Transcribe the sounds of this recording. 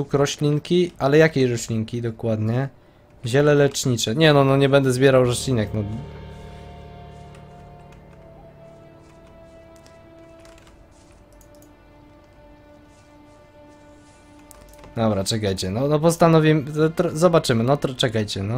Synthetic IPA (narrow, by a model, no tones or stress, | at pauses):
ukɾɔɕlʲiŋkʲiʔalɛjakʲeɕɾɔɕlʲiŋkʲid̪ɔkwad̪ɲɛ | ʑɛlɛlɛt͡ʂɲit͡ʂɛɲɛnɔnɔɲɛbɛnd̪ɛzbʲjɛɾawɾɔɕlʲinɛknɔ | d̪ɔbɾat͡ʂɛkajt͡ɕɛnɔnɔpɔst̪anɔvʲimt̪ɾɔzɔbat͡ʂɘmɘnɔt̪ɾɔt͡ʂɛkajt͡ɕɛnɔ